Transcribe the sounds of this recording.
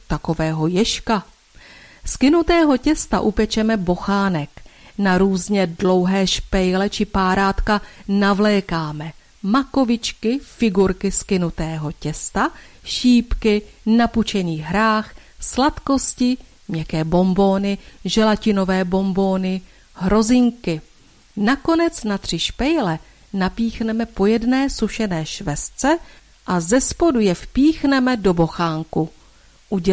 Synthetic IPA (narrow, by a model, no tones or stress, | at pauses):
t̪ako̞vɛːɦo̞jɛʃka | skɪnut̪ɛːɦo̞cɛst̪a̰ʔupɛt͡ʃɛmɛbo̞xaːnɛknaɾuːzɲɛdlo̞wɦɛːʃpɛjlɛt͡ʃɪpaːɾaːt̪kanavlɛːkaːmɛ | mako̞vɪt͡ʃkɪfɪɡuɾkɪskɪnut̪ɛːɦo̞cɛst̪aʃiːpkɪnaput͡ʃɛniːɦɾaːxslat̪ko̞scɪ | mɲɛkɛːbo̞mbo̞ːnɪʒɛlacɪno̞vɛːbo̞mbo̞ːnɪ | ɦɾo̞zɪŋkɪ | nako̞nɛt͡snat̪r̝̥ɪʃpɛjlɛ | napiːxnɛmɛpo̞jɛdnɛːsuʃɛnɛːʃvɛst͡sɛ | ʔazɛspo̞dujɛfpiːxnɛmɛdo̞bo̞xaːŋku | ʔuɟ